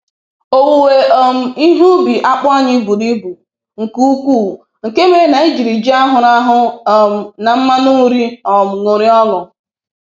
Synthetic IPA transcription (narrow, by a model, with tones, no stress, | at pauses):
o˨wu˨we˨o˦m̩˨i˦ɦu˦bi˨ʔa˦k͡pa˦ɲɪ˦bu˨di˦bu˨ | ŋ̩˨ku˦u˦kʷuː˦˨ | ŋ̩˨ke˦me˦na˨i˦d͡ʒi˨ɾi˨d͡ʒi˦a˦ɦʊ˨ɾa˦ɦʊ˦˨ | na˨m̩˦ma˦nʊ˦ŋ˦ɾi˦ɔ˨m̩˨ŋo˨ɾɪ˦ɔ˦lʊ˨